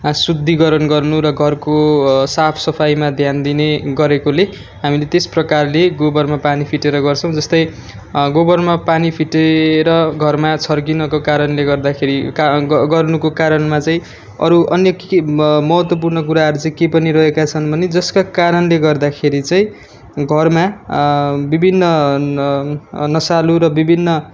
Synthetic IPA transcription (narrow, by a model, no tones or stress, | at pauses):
sud̪ʱːiɡʌɾʌnɡʌrnuɾʌɡʱʌrkosapʰsʌpʰajmad̪ʱjand̪ineɡʌɾekole | ɦamilet̪esprʌkarleɡobʌrmapanipʰiʈeɾʌɡʌrt͡sʰʌ̃w̃d͡zʌst̪ʌj | ɡobʌrmapanipʰiʈeɾʌɡʱʌrmat͡sʰʌrkinʌkokaɾʌnleɡʌrd̪akʰeɾikɡʌrnukokaɾʌnmat͡saĩ | ʌ̰ɾuʔʌnjʌkmʌɦʌt̪wʌp̬urnʌkuɾaɦʌɾut͡saĩkepʌniɾʌɦekat͡sʰʌnbʱʌned͡zʌskakaɾʌnleɡʌrd̪akʰeɾit͡saĩ | ɡʱʌrma | bibʱinːʌ | nʌsaluɾʌbibʱinːʌ